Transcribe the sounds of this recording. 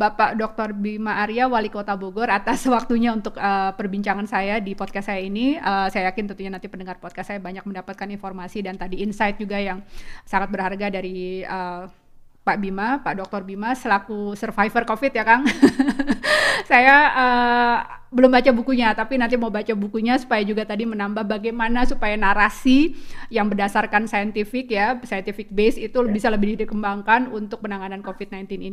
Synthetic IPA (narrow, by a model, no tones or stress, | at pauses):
bapaʔdɔk̚t̪ɔrbimaʔːɾiawalikot̪aboɡɔrat̪asəwak̚t̪uɲaunt̪ʊkəpərbiɲt͡ʃaŋansajadipɔt̪̚kasajainiəːsajajakɪnt̪ənt̪uhɲanant̪ipəndəŋarpɔt̪̚kasajabaɲak̚məndapat̪̚kaninfɔrmasidant̪adiːnsajt̪̚d͡ʒuɡajaŋsaŋat̪̚bərharɡadaɾiə | paʔbimapaʔdɔk̚t̪ɔrbimasəlakusərfaifərkofɪt̪̚jakan | sajaə | bəlʊmbat͡ʃabukuɲat̪apinant̪imaubat͡ʃabukuɲasu̥pajad͡ʒuɡat̪adimənambahbaɡajmanasupajanaɾasijaŋbərdasarkansajənt̪ifɪkjasajənt̪ifɪk̚besit̪ubisaləbɪdihdikəmbaŋkanunt̪ʊk̚pənaŋanankofit̪̚najnt̪ɪnini